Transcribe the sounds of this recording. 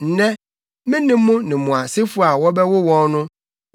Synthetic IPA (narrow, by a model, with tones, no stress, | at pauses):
n̩˨nɛ̃˦ | mɪ̃˦nɪ̃˦mː˦ʊ̃˦nɪ̃˨mũ˨a˨se˦fu˦a˨wɔ˦bɛ˦wʊ˦wɔ̃˦nnʊ̃˦